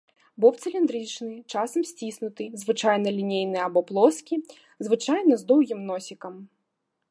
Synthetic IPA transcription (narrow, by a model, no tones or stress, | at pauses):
bɔpt̪sɨlʲind̪ɾɨt͡ʃnɨt͡ʃasɐmsʲt͡sʲisnʊt̪ɨzʋɨt͡ʂajnɐlʲinʲejnɨɐbɔplˠɔskʲi | zʋɨɪt͡ʃajnɐzd̪ɔwɣʲimnɔsʲikɐm